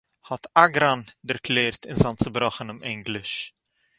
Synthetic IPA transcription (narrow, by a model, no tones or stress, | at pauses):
hɔtʰaɡɾandəɾkleːrtʰɪnzantsəbɾɔχənɔmɪŋɡləʃ